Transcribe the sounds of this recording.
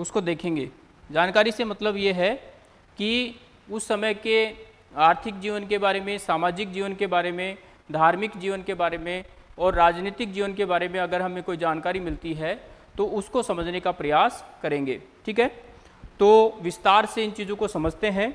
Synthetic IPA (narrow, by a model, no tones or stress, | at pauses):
ʊskod̪eːkʰẽːŋɡḛː | d͡ʒaːnkaːɾisemɐt̪ləbjeɦɛ | ki | ʊsːɐməjke | aːɾt̪ʰɪk̚d͡ʒiːʋənkebaːɾemẽsaːmaːd͡ʒɪk̚d͡ʒiːʋənkebaːɾemẽ | d̪ʱaːɾmɪkd͡ʒiːʋənkebaːɾemẽ | ɔːɾːaːd͡ʒniːt̪ɪk̚d͡ʒiːʋənkebaːɾemẽɐɡəɾɦɐmẽkoːid͡ʒaːnkaːɾimɪlt̪iɦɛt̪oʔʊskosɐməd͡ʒʱnekapɾɐjaːskɐɾẽːŋɡḛːʈʰiːkɦɛː | t̪oːʋɪst̪aːɾseɪnt͡ʃiːzõkosɐməd͡ʒʱt̪eɦɛ̃ː